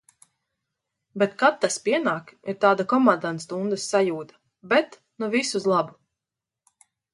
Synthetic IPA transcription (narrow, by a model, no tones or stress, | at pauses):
bɛt̪kat̪ːaspiɛnaːkiɾt̪aːd̪akɔmand̪anst̪und̪asːajuːt̪ḁ | bɛt̪ | nuvisuzlˠabu